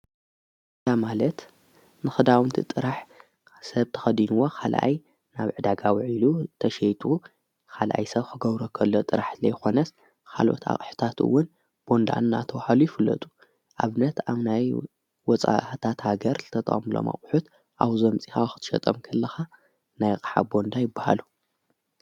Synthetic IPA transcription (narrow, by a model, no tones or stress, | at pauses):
ɨt̪amalɐt̪ | nɨxɨd̪awɨnt̪ʰit̪ʼɨɾaħ | sɐβt̪ʰɐ̥xɐd̪inuwo̞kʰalʔa̰j | naβʕɨd̪aɡawʕilut̪ʰɐʃejt̪ʼu | kʰalʔa̰jsɐβkʰɨɡɐβɾokʰɐlːot̪ʼɨɾaħzlɐjxo̞nɐs | kʰa̰lʔo̞̰t̪ʰa̰χʼħɨ̥t̪ʰat̪ɨ̰wːʊn | b̥o̞nd̪a̰nːat̪ʰɐwahalujɪfɨlːɐ̰t̪ʼu̥ | ʔaβnɐt̪aβnaj | wɔt͡sʼa̰t̪ʰat̪haɡɐɾzɨt̪ʰɐt̪ʼɐ̰χʼmɨlo̞̰mɐ̰χʼħut̪ | ʔawzɐmt͡sʼixaxɨ̥t̪ʰɨʃɐ̰t̪ʼɐmkʰɐlːɐxa | najkʼɨ̥ħa̰bo̞nd̪ajɪbːaha̰lu